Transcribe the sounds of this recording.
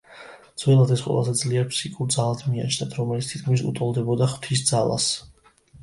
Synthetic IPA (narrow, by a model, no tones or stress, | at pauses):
dd̪z̥wɛlˠad̪ɛsqʼwɛ̰lˠa̰zɛd̪zliɛɾpʰsikʼuɾd̪zalˠad̪ʰmia̰t͡ʃʰnat̪ʰɾɔmɛlit̪st̪ʰi̥t̪kʰmisṵt̪ʼɔlˠd̪ɛbɔd̪aχt̪ʰis̬d̪zalˠa̰s